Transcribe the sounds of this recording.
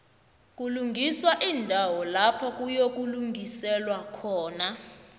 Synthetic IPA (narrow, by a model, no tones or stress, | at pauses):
k̬ʼuluŋɡʱiswaʔindʱawɔlapʰɔk̬ʼujok̬uluŋɡʱisɛlwakʰɔːna